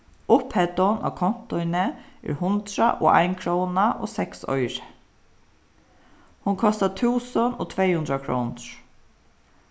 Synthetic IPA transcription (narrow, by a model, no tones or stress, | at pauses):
ʊphɛt̪ɔna̰wkʰɔn̥t̪ɔɪnɪɛ̰ɹhʊnt̪ɾaʔɔ̰a̰jnkʰɾɔwnaʔɔːsɛksɔ̰jɾɪ̥ | hʊnkʰɔst̪at̪ʰuːsʊnɔːt̪ʰvejhʉnd̪ɾakʰɹɾɔwnʊɹ̥